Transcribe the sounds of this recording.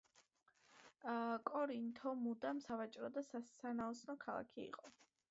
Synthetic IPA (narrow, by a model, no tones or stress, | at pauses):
kʼɔɾint̪ʰɔmud̪amsavat͡ʃʼɾɔd̪asasanaɔsnɔkʰalˠa̰kʰiḭqʼɔ